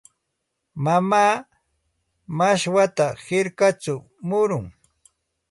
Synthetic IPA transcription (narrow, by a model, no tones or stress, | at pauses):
mamaː | maʃwat̪ahɪɾkat͡sʊ | mʊɾʊŋ